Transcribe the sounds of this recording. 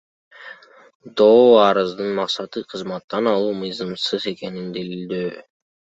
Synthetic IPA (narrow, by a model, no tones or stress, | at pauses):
d̪oːɑɾɯzd̪ɯnmɑqsɑt̪ɯqʰɯzmɑt̪ːɑnɑlˠuːmɯjzɑmsɯze̞ke̞nind̪ilild̪øː